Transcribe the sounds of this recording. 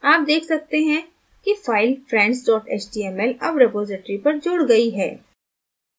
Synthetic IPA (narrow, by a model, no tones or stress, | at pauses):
aːp̚d̪eːkʰsɐk̚t̪eɦɛ̃ | kifaːɪlfɾɛ̃ːɳɖsɖɔːʈʰeːt͡ʃɖiɛmɛlɐbɾepoːzɪʈɾipɐɾd͡ʒʊːɽɡɐiɦɛ̰ː